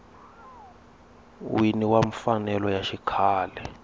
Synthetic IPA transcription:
winiwaɱfanɛlɔjaʃikʰaːlɛ

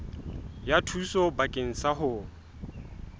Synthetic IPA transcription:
jatʰusɔbakʼɪŋ̩saɦʊː

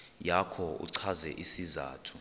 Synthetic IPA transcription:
jakʰɔṵǀʰazɛ̰ʔisiza̰ːtʰu̥

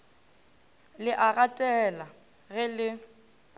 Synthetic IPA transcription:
lɪʔaɣatʼɛla | ɣɪlɪ

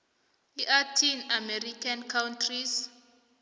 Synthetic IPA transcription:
liʔatʰinamɛrikʰankʰawntʰris

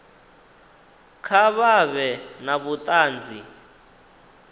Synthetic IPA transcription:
kʰaβaβɛnaβut̪ʼaːnd͡zi

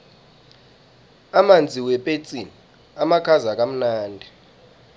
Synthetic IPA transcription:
amand͡zʱiwɛpʼet͡sʼini | amakʰazak̬ʼam̩naːndʱi

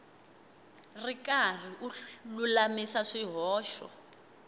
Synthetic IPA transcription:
rikar̤iʔululamisaʂiɦɔːʃɔ̰

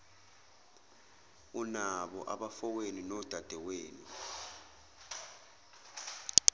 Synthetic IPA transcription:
unaɓɔ̰ʔaɓafɔk̬eninɔd̥ʱad̥ʱɛweːni

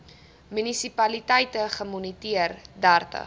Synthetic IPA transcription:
mynisipɐlitɛjtəχəmunitiərdærtə̰

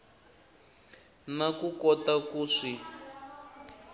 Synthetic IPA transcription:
nakukɔtakuːʂi

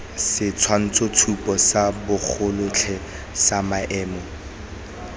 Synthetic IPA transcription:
sɪt͡sʰwan̩t͡sʰɔt͡stʰupʼɔsabʊk͡xʰʊlʊt͡ɬʰɛ | samaʔɛːmɔ

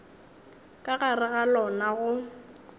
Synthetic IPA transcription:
kʼaɣarɪɣalɔnaɣʊ

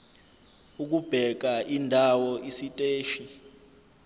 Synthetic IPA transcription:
uk̬ub̥ʱɛk̬aʔindʱawɔʔisitʼeːʃi

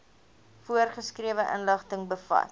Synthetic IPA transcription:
fuərχəskriəvəʔə̰nləχtəŋbəfɐ̰t

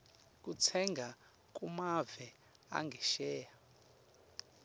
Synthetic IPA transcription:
k̬ʼut͡sʰɛŋɡʱa | k̬ʼumavɛ | a̰ŋɡʱɛʃɛːja

